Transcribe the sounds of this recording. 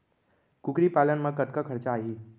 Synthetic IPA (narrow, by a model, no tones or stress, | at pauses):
kukɾiːpalənməkət̪kəkʰəɾt͡ɕaːɦiː